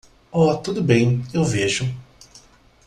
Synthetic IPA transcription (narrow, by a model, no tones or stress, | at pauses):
ɔt̪ud̪ʊbẽj̃ewveʒʊ